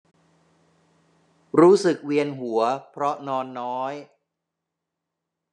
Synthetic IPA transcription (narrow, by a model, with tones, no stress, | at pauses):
ɾuː˦˥sɯ˨˩k̚wi˧ənɦu˩˦ɐpʰɾɔ˦˥nɔː˧nːɔː˦˥j